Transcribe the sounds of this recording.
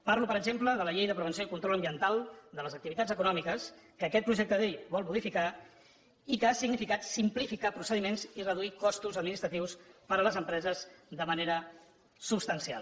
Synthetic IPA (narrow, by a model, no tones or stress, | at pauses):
paɾlupəɾəɡʒempləðələʎejðəpɾəβənsioikunt̪ɾɔləmbiənt̪alˠd̪ələzəkt̪iβit̪ad͡zzəkunɔmikəskəːkɛt̪̚pɾuʒɛk̚t̪əðejβɔlˠmuðifika | ikəasiɡnifikat̪simplifikapɾusəðimenzirəðuikɔst̪uzəd̪minist̪ɾət̪iwspəɾələzəmpɾɛzəzðəməneɾə | supst̪ənsia̰lˠ